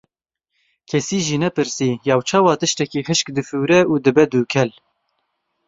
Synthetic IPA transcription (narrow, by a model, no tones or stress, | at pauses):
kʰɛsiːʒiːnɛpɨɾsiːjɑːwt͡ʃʰɑːwɑːt̪ɨʃt̪ɛkiːxɨʃkd̪ɨfuːɾɛʔuːd̪ɨbɛd̪uːkʰɛl